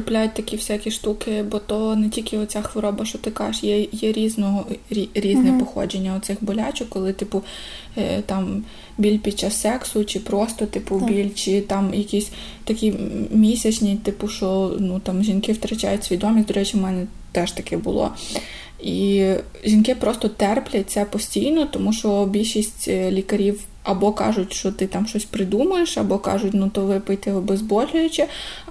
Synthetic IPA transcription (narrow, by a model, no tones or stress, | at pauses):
ɪplʲajʊt̚ʲt̪ɐkʲiwsʲɛkʲiʃt̪ukɪbɔt̪ɔnɛtʲilʲkɪɔt͡sʲaxʋɔɾɔbɐʃt͡ʃɔt̪ɪkɑjeʃjɛjɛɾʲiznɔɦɔɾʲiɾʲizznɛpɔxɔ̰d͡ʒenʲːɐɔt̪sɪxbɔlʲat͡ʃʊkkːɔlˠɪt̪ɪpʊ | t̪ɑm | bʲilʲpʲid̥̪̚t͡ʃasːɛksʊt͡ʃɪpɾɔst̪ɔt̪ɪpʊbʲilʲt͡ʃɪt̪ɑmjɐkʲisʲ | t̪ɐkʲimʲisʲɐt͡ʃnʲit̪ɪpʊʃɔnut̪ɑmʒʲinkɪwt̪ɾɐt͡ʃa̰jʊtʲsʲʋʲid̪ɔmʲisʲd̪ɔɾɛt͡ʃɪmɛnɛ | t̪ɛʃt̪ɐkɪbʊ̰lˠɔ̰ | i | ʒʲinkɪpɾɔst̪ɔt̪ɛrplʲɐt̚ʲt̪sɛpɔsʲtʲijnɔt̪ɔmuʃɔbʲilʲʃisʲtʲlʲikɐɾʲiw | ɐbɔkɑ̰ʒʊtʲʃt͡ʃɔt̪ɪt̪ɑmʃɔsʲpɾɪd̪umɐjeʃɐbɔkɑ̰ʒʊtʲnut̪ɔʋɪpɔjt̪ɛɔbɛzbɔlʲʊjʊt͡ʃɪ